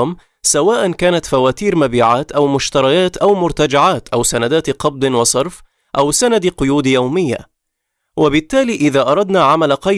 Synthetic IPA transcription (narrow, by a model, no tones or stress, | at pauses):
m | sawaːʔankaːnat̪fawaːt̪iːɾmabiːʕaːt̪ʔawmʊʃt̪ɑɾˤɑjaːt̪ʔawmʊɾt̪ad͡ʒaʕaːt̪ʔawsanad̪aːt̪qɑb̚d̪ˤɨnwɑsˤɑɾˤf | ʔawsanad̪qʊjuːd̪jawmɪjːa̰ | wabɪt̪ːaːliːʔɪðaːʔɑɾˤɑd̪naːʕamalaqɑ